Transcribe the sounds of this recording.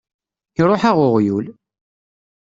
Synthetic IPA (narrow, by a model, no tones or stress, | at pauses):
çɾˤoħaʁʊʁjul